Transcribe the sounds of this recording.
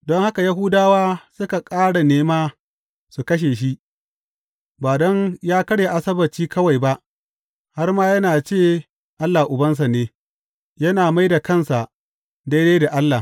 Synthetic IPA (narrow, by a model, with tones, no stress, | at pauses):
dɔ˦ŋha˦ka˨ja˦ɦʊ˦daː˦waː˦sʊ˦ka˨kʼaː˦ɽa˨neː˦maː˦ | su˨kɐ˦ʃ̬eː˨ʃ̬i˦ʔ | baː˨dɔ˦ŋjaː˦kɐ˦ɽje˨ʔa˨sɐ˦bɐ˨t͡ʃiː˦kɐ˦wa˨jba˦ʔ | ha˦rmaː˦jɐ˦naː˨t͡ʃeː˦˨ | ʔa˦lːa˨ʔʊ˨bɐ˦ns̬a˨neː˦ | jɐ˦naː˨ma˦jda˨kɐ˦˨nsa˨ | da˦jde˦jda˨ʔa˦lːaː˨